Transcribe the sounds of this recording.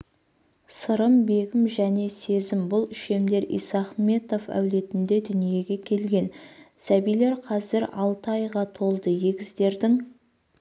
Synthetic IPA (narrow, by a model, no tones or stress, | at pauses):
səɾəmbe̞ɡʲɪmʒæne̞se̞zɪmbʊlˠɪʃe̞md̪e̞ɾḭjsɑχme̞t̪o̞fæ̰wle̞t̪ɪnd̪e̞d̪ʏnije̞ɡʲe̞kʲʰe̞lɡʲe̞nsæbijle̞ɾqʰɑzɪɾɑlˠt̪ɑjʁɑt̪ʰo̞lˠd̪əjeɡʲɪzd̪e̞ɾd̪ɪŋ